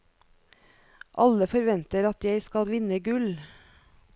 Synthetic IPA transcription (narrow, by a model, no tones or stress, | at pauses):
ʔɑləfɔɾʋɛnt̪əɾɑt̪jæɪskɑlʋɪnəɡʉl